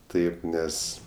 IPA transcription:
ˈtɐɪp ˈnʲɛs

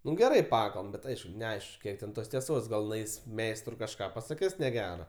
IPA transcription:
ˈnʊ ɡʲɛˈrɐɪ ˈpɑːkɐlˠbɐm ˈbʲɛt ˈɐɪʃkʊ nʲɛˈɐɪʃk ˈkʲiɛk tʲɛn ˈtoːs tʲiɛˈsoːs ɡɐlˠ nʊˈɐɪs ˈmʲɛɪstrʊɪ kɐʃˈkɑː pɐsɐˈkʲɪs nʲɛˈɡʲæːrɐ

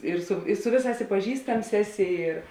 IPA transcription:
ɪr sʊ ɪ ˈsʊ ʋʲeːˌsɑːs ɪ pɐˈʒʲiːstɐms ˈæːˌsʲɪ ɪr

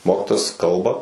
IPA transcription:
ˈmoːkʲɪtoːjɛs ˈkɐlˠbɐ

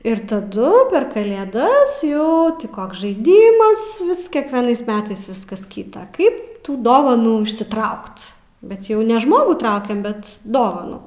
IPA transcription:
ɪr tɐˈdʊ pʲɛr kɐlʲeːˈdɐs jɛʊ tʲɪ ˈkoːks ʒɐɪˈdʲiːmɐs ˈʋʲɪs kʲɛkʋʲɛˈnɐɪs ˈmʲæːtɐɪs ˈʋʲɪskɐs kʲiːtɐ ˈkɐɪp ˈtuː ˈdoːʋɐnuː ɪʃʲsʲɪˈtrɐʊkt bʲɛt ˈjɛʊ nʲɛ ˈʒmoːɡuː ˈtrɐʊkʲɛm ˈbʲɛt ˈdoːʋɐnuː

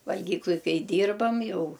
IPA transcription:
ʋɐlʲˈɡʲiːklˠʊj ˈkɐɪ ˈdʲiːrbɐm ˈjɛʊ

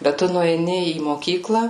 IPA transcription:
bʲɛt ˈtʊ nʊɛɪˈnʲɪ iː moːˈkʲiːklˠɐ

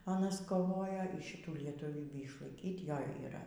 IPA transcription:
ɐˈnɐs koːˈʋoːjoː iːˈʃʲɪtuː lʲiɛtʊˈʋʲiːbʲiː ɪʃlˠɐɪˈkʲiːt ˈjoː iːˈrɐ

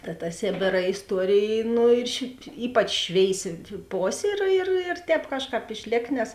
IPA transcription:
tɐ tɐ ˈsʲeːbʲeːrɐ ɪsˈtuɔrʲeːj ˈnʊ ɪr ʃ ˈiːpɐt͡ʃ ˈʃʲʋʲeːɪsʲɪ ˈpoːsʲeː ɪr ɪr ɪr ˈtʲɛːp ˈkɑːʃˌkɑːp ɪʃʲˈlʲeːk nʲɛs

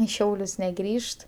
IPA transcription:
ɪ ˈʃʲɛʊlʲʊs nʲɛˈɡrʲiːʃt

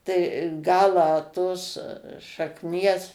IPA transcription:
tɐɪ ˈɡɑːlˠɑː toːs ʃɐkˈnʲiɛs

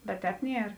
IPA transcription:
bʲɛt ˈtʲɛːp ˈnʲiɛr

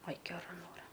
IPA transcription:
ɐj ɡʲɛˈrɐ ˈnoːrɐ

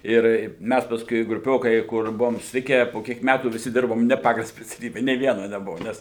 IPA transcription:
ˈɪr ˈmʲæs pɐsˈkʊɪ ɡrʊˈpʲoːkɐɪ ˈkʊr ˈbʊʋoːm sʊsʲɪˈtʲɪkʲæː poː ˈkʲiɛk ˈmʲætuː ʋʲɪˈsʲɪ ˈdʲɪrboːm ˈnʲɛ ˈpɑːɡɐlˠ sʲpʲɛt͡sʲɛˈlʲiːbʲɛ nʲeː ˈʋʲiɛnɐ nʲɛˈbʊʋʊ ˈnʲɛs

